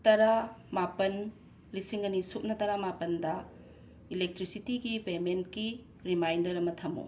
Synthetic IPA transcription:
tɐɾamapɐn | lisiŋɐnisup̚nɐtɐɾamapɐndɐ | ilek̚tɾisitiɡipementki | ɾimajndɐɾɐmɐtʰɐmo̰

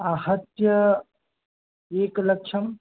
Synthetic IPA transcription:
aːɦət̪jə | eːklɐkt͡ʃʰɐm

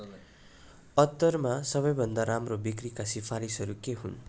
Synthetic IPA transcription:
ʌt̪ːʌrmasʌβʌjbʱʌnd̪aɾamrobikrikasipʰaɾisʌɾukeɦṵn

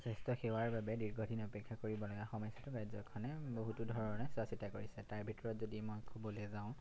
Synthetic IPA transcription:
sestɔxewaɹbabɛdiɹɡʱɔdʱinɔpɛkʰːakoɹibɔlɔɡaxɔmɔjsatʊkajzɔkʰːɔnɛboɦutudʱɔɹɔɔnɛsasitakoɹisɛtaɹbʱitɔɹɔtzodimojkʰubɔlɛzaʊ̃

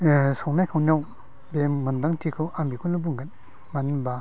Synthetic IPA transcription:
sɔŋnajkʰawnaw | bemːɯndaŋtʰikʰɯwʔambikʰunlubuŋɡat̚ | manba

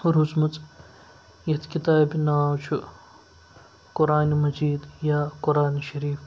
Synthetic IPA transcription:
ɾuzmɐt͡sʼ | jɐt̪ʰkit̪aːbnaːwt͡ʃʰu | kʊɾaːnmɐd͡ʒiːd̪jaːkʊɾaːnʃɐɾiːf

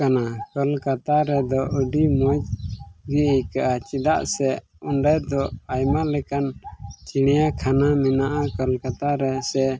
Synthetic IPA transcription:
anakəlkat̪aɾɛd̪ɔʔəɖimɔd͡ʒɡiəjkaʔat͡ʃid̪aʔsɛ | ɔnɖajd̪ɔajmalɛkant͡ʃiɽ̃ɛjakʰanamɛnaʔakəlkat̪aɾɛsɛ

